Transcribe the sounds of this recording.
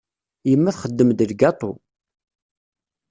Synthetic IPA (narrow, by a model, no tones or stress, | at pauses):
jəmːæθχəd̪ːəmd̪əlɡɑt̪ˤo̰